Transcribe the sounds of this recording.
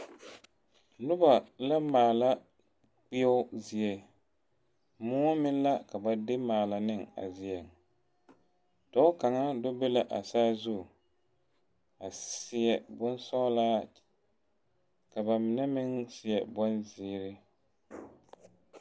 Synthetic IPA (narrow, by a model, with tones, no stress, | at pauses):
nʊ˦ba˨la˦maː˨la˦ | k͡pi˦ɛ˦ʊ˦zɪ˨ɛ˨ | mʊ˦mɪ˦n˦la˦ka˨ba˨dɪ˦maː˨la˨nɪ˦ŋa̰˨zɪ˨ɛ˨ŋ | ta˦ʊ˦ka˨ŋa˦dɔ˦be˦la˦ʔa˨saː˦zu˦˨ | a˨sɪ˨ɛ˨bʊ˦n˦sɔ˦ʊ˦laː˦ | ka˨ba˨mɪ˨nɛ˦mɪ˦ŋsɪ˨ɛ˨bɔ˦nziː˦ɾɪ˦